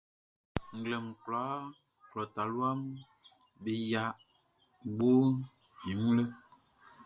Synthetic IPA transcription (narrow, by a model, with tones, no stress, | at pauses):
ŋ̩˨ɡle˨m˨kla˨˦ | klɔ˨ta˨lwa˦m | be˨ja˦ | ɡ͡bo˦ | ɲi˨mu˦lə˦